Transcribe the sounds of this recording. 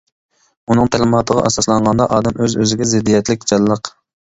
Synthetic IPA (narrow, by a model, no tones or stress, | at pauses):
unɨŋt̪ʰæɾmɑt̪əʁɑ̰ʔɑsɑslˠɑɴʁɑnd̪ɑʔɑːd̪ɛmøzøzɪɡʲɛzɪd̪ːijɛt̪lɪk̚ʲd͡ʒɑlːəq